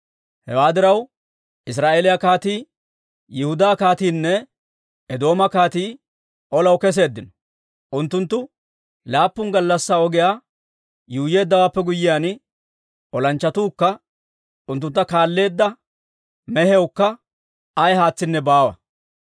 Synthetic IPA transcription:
hɛwaːd̪ɪɾɐw | ʔɪs̬ɾaːʔeːlɪjakaːt̪iː | jɪhʊd̪aːkaːt̪iːnːɛ | ɛd̪o̞ːmɐkaːt̪iː | ʔɔlɐwkɛs̬e̞ːd̪ːɪnɔ̥ | ʔʊnt̪ːʊnt̪ːʊ | laːpːʊnɡɐlːɐsːaɔɡɪjaː | juːje̞ːd̪ːɐwaːpːɛɡʊjːɪjaːn | ʔɔlɐnt͡ʃːɐt̪uːkːɐ | ʔʊnt̪̬ːʊnt̪ːɐkaːlːe̞ːd̪ːɐ | mɛhɛwkːɐ | ɐjhaːt͡sːɪnːɛbaːwɐ̰

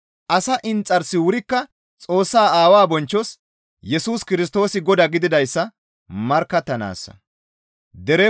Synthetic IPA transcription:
ʔɐsɐʔɪnt͡sʼːɐɾsːɪwʊɾɪkːɐ | t͡sʼo̞ːsːaːaːwaːbɔnt͡ʃːɔs | jɛsuːskɪɾɪs̬t̪o̞ːsɪɡɔd̪ɐɡɪd̪ɪd̪ɐjsːɐ | mɐɾkːɐt̪ːɐna̰ːsːɐ̰ | d̪ɛɾɛ

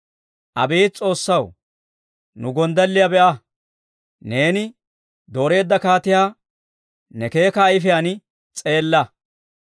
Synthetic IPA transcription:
ʔɐ̰beːt͡sʼo̞ːsːɐw | nʊɡɔnd̪ɐlːɪjɐbɛʔɐ | ne̞ːnɪ | d̪o̞ːɾe̞ːd̪ːɐkaːt̪ɪjaː | nɛke̞ːkɐːjɪfɪjanɪ | t͡sʼe̞ːlːɐ

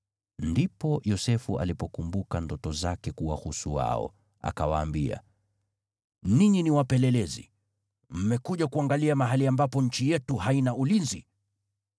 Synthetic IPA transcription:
ndipɔjɔsɛfuʔa̰lipɔkumbukandɔtɔzakɛkuwahusuwa̰ɔ̰ | a̰kawaːmbia̰ | niɲiniwapɛlɛlɛzḭ | m̩mɛkuʄakuaŋɡaliamaɦaliambapɔɲ̩t͡ʃijɛtuɦainaulinzi

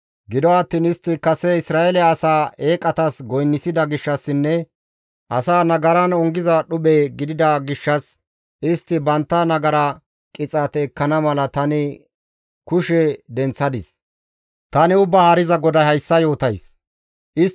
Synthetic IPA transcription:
ɡɪd̪ɔɐt̪ːiːnɪst̪ːɪkɐsɛɪsɾaːɛlɛɐsaːeːkʼɐt̪ɐsɡɔjnːɪsɪd̪ɐɡɪʃːɐsːɪnːɛ | ʔɐsaːnɐɡɐɾɐnɔŋɡɪzɐɗʊɓeːɡɪd̪ɪd̪ɐɡɪʃːɐs | ʔɪst̪ːɪbɐnt̪ːɐnɐɡɐɾa | kʼɪt͡sʼɐt̪ɛːkːɐnɐmɐlɐt̪ɐnɪ | kʊʃɛd̪ɛnt͡sːɐd̪ɪ̰s | t̪ɐnɪʊbːaːhɐɾɪzɐɡɔd̪ɐhɐjsːɐjo̞ːt̪ɐjs | ʔɪ

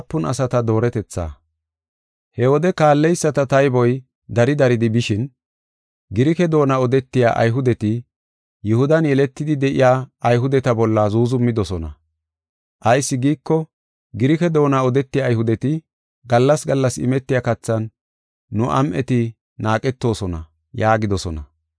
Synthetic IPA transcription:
pːʊnɐ̰sɐt̪ɐd̪o̞ːɾɛt̪ɛt͡sːa̰ː | hɛwɔd̪ɛkaːlːɛjsːɐt̪ɐt̪ɐjbɔj | d̪ɐɾɪd̪ɐɾɪd̪ɪbɪʃɪn | ɡɪɾɪkɛd̪o̞ːnaɔd̪ɛt̪ːɪja̰ːʔɐ̰jɦʊd̪ɛt̪ɪ | jʊhʊd̪ɐnjɛlɛt̪ːɪd̪ɪd̪ɛʔɪ̰jaːɐjɦʊd̪ɛt̪ɐbɔlːɐzuːzʊmːɪd̪ɔsɔnɐ̰ | ʔɐjsːɪɡiːkːɔ | ɡɪɾɪkɛd̪o̞ːnaɔd̪ɛt̪ːɪjaːjhʊd̪ɛt̪ɪ | ɡɐlːɐsɡɐlːɐsɪ̰mɛt̪ːɪjakɐt͡sːɐnː | ʊʔɐ̰mʔɛt̪ɪ | naːkʼɛt̪ːo̞ːsɔnɐ̰ | jaːɡɪd̪ɔsɔnɐ

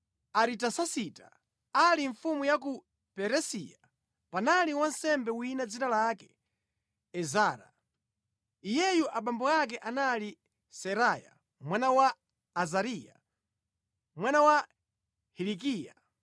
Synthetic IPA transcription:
aɾitasasita | aliɱfumujak̬u | pɛɾɛsija | panaliwansɛmbɛwinad͡zinalakɛ̥ | ɛzaːɾa̰ | ijɛjuʔaɓambɔakɛʔanali | sɛɾaja̰ | mwanawaː | zaɾija̰ | mwanawa | hilik̬iːja

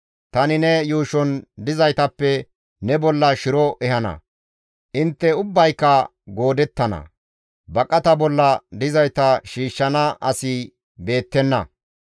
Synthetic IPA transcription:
t̪ɐnɪnɛjuːʃɔnd̪ɪzɐjt̪ɐpːɛ | nɛbɔlːɐʃɪɾɔʔɛhɐnɐ̰ | ʔɪnt̪ːɛʊbːɐjkːɐ | ɡo̞ːd̪ɛt̪ːɐnɐ̰ | bɐkʼːɐt̪ɐbɔlːɐd̪ɪzɐjt̪ɐʃiːʃːɐnɐʔɐsɪ | be̞ːt̪ːɛnːɐ̰

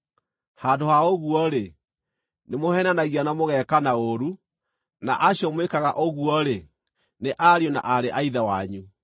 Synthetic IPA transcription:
haːdohaoɣuɔɾe | nemohɛnanaɣianamoɣɛkanaoɾu | na̰ʔaɕjɔmwekaɣaʔoɣuɔɾe | neʔaɾjɔna̰ʔaɾeʔaiðawaɲu

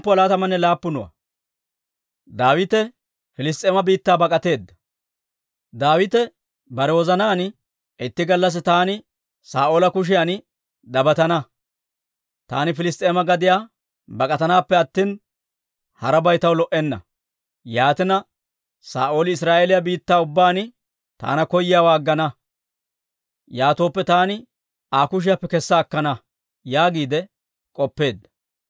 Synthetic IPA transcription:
pːɔlaːt̪ɐmɐnːɛlaːpːʊnʊwɐ̰ | d̪aːwɪt̪ɛ | fɪlɪst̪ʼeːmɐbiːt̪ːaːbɐkʼɐt̪e̞ːd̪ːɐ̥ | d̪aːwɪt̪ɛ | bɐɾɛwɔzɐnaːnɪ | ɛt̪ːɪɡɐlːɐs̬ɪt̪aːnɪ | saːʔoːlɐkʊʃ̬ɪjanɪ | d̪ɐbɐt̪ɐnɐ | t̪a̰ːnɪfɪlɪst̪ʼːeːmɐɡɐd̪ɪjaː | bɐkʼɐt̪ɐnaːpːɛɐt̪ːiːn | hɐɾɐbɐjt̪ɐwlɔʔɛnːɐ̰ | jaːt̪ɪnɐ | saːʔo̞ːlɪɪsɾaːʔeːlɪjabiːt̪ːaːʊbːaːnɪ | t̪a̰ːnɐkɔjɪjawaːɡːɐnɐ | jaːt̪o̞ːpːɛt̪aːnɪ | aːkʊʃ̬ɪjapːɛkɛsːɐːkːɐnɐ | jaːɡiːd̪ɛ | kʼɔpːe̞ːd̪ːɐ̥

